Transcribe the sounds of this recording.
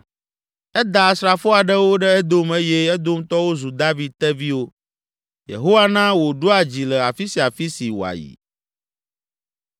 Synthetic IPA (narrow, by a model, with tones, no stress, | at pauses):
ɛ˦d̪a˨sɾa˨fɔ˦a˨ɖɛ˦wo˦ɖɛ˦ɛ˦d̪o˦me˦je˦ɛ˦d̪o˦m˦t̪ɔ˦wo˦zu˨d̪a˦vi˨d̪̚t̪ɛ˦vi˦wo˦ | jḛ˨ɦo˦wa˦nã˦wo˨ɖo˦a˨d͡ʑi˨lɛ˨a˨fi˦si˨a˨fi˦si˨wo̰˨a̰˨jḭ˨